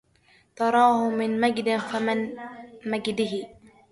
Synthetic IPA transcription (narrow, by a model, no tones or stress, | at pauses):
t̪ɑɾˤɑːhʊmɪnmaɡd̪ɪnfamɪnmad͡ʒd̪ɪɦɪ